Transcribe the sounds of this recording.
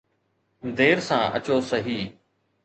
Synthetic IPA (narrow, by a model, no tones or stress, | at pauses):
d̪eːɾsã̰ːə̰t͡ɕoːsɐɦiː